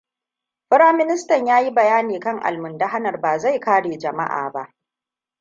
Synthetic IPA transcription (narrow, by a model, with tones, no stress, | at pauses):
ɸɪ˦ɾaː˦mɪ˦nɪ˦stɐ˨ɲjaː˦ji˦bɐ˨jaː˦neː˨kɐ˦˨ŋʔa̰˨lmʊ˨nda˦ɦa˦nɐ˨rbaː˨za˦˨jkaː˦ɽeː˨d͡ʒɐ˨ma̰˦ʔa̰ː˨ba˦ʔ